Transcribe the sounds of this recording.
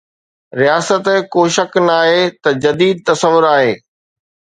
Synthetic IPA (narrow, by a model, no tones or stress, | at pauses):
ɾijaːsət̪koːʃɐknaːɦeːt̪ɐd͡ʑɐd̪iːd̪̚t̪ɐsəʋːʊɾaːɦeː